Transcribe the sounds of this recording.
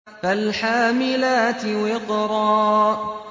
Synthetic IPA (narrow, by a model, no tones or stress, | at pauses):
kalħaːmɪlaːt̪ɪwɪqɾˤɑː